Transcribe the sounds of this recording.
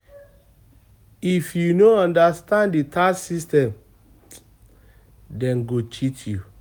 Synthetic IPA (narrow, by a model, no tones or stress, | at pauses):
ifjunoɔ̃ndastãnditʰasistɛ̃m | dɛ̃nɡot͡ʃitʰju